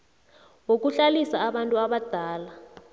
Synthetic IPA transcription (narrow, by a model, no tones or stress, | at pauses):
wok̬uɬalisaːɓantʼuaɓad̥ʱaːla